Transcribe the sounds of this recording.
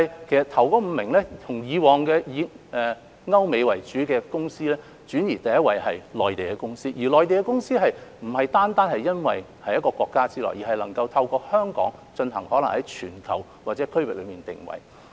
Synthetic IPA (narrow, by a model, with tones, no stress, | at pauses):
jkʰe˨˩jsɐ˨t̪ʰɐ˨˩wkɔː˧˥m̩˨˧mɪ˨˩ŋlɛː˥t̪ʰʊ˨˩ŋjiː˨˧wɔː˨˩ŋkɛː˧jiː˨˧ʔɛː˨ | ŋɐ˥wme˨˧jwɐ˨˩jt͡ʃyː˨˥kɛː˧kʊ˥ŋsiː˥lɛː˥ | t͡ʃyː˨˥njiː˨˩t̪ɐ˨jɐ˥wɐ˨˩jɦɐ̰˨jlɔː˨jt̪e˨jkɛ˧˥kʊ˥ŋsiː˥jiː˨˩lɔː˨jt̪e˨jkɛː˧kʊ˥ŋsiː˥ɦɐ˨jm̩˨˩hɐ˨jt̪aː˥nt̪aː˥nhɐ˨jjɐ˥nwɐ˨j | hɐ˨˥jɐ˥tkɔː˧kwʷɔː˧kːaː˥t͡siː˥lɔ̰ː˨˩jiː˨˩ɦɐ˨jlɐ˨˩ŋkɐ˧wt̪ʰɐ˧wkɔː˧hœː˥ŋkɔ̰ː˨˥ŋt͡ʃɵ˧nɦɐ˨˩ŋhɔː˨˥lɐ˨˩ŋhɐ˨˦jt͡ʃʰyː˨˩nkʰɐ˨˩w | waː˨˩t͡sɛː˨˥kʰɵ˥ɥwɪ̰˨lɵ˨˧miː˨nt̪ɪ̰˨˩ŋwɐ̰˨˩j